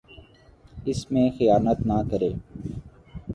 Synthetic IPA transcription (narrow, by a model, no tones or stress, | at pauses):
ɪsmẽːxəjaːnət̪naːkəɾeː